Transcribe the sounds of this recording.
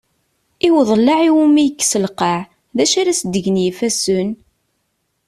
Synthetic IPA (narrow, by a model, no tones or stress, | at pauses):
iwðˤlːaʕiwumijəkːsəlqɑʕ | ðæʃaɾæsd̪əʝənjifæsʊn